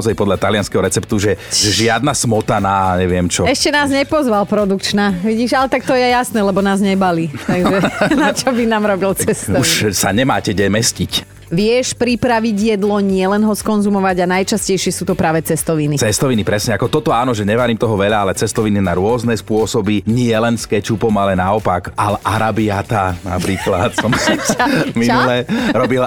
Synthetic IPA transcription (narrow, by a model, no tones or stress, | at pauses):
ɔzajpɔd̪ʎat̪alɪanskɛɦɔɾɛt͡sɛpt̪uʒɛʒɪad̪nasmɔt̪anaɲɛʋɪɛmt͡ʃɔɛʃcɛnaːzɲɛpɔzʋalpɾɔd̪ukt͡ʃnaʋiɟiːʒalɛt̪ak̚t̪ɔjɛjasnɛːlɛbɔnaːzɲɛbaliːt̪aɡʒɛnat͡ʃɔbinaːmɾɔbilt͡sɛst̪ɔuʃsaɲɛmaːcɛɟɛmɛscic | ʋɪɛʃpɾipɾaʋiɟjɛd̪lɔɲɪɛlɛnɦɔskɔnzumɔʋaɟanajt͡ʃascɛjʃɪɛsuːt̪ɔpɾʔaːʋɛt͡sɛst̪ɔʋinit͡sɛst̪ɔʋinipɾɛsɲɛakɔt̪ɔt̪ɔaːnɔʒɛɲɛʋaɾiːmt̪ɔɦɔʋɛʎaalɛt͡sɛst̪ɔʋininaɾʊɔznɛspʊɔsɔbiɲɪɛlɛnskɛt͡ʃupɔmalɛnaɔpakalʔaɾabiat̪ana̰pɾiːkla̰t̪sɔm | miulɛɾɔbil